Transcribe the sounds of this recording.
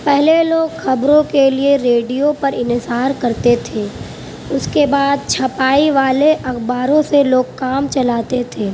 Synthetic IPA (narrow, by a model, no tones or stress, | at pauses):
pɛɦleloːɡxɐbɾõkelieɾeːɖijopɐɾɪnɪsaːɾkɐɾt̪et̪ʰeː | ʊskebaːd̪̚t͡ʃʰɐpaːiʋaːleʔɐxbaːɾõseloːɡ̚kaːmt͡ʃɐlaːt̪et̪ʰeː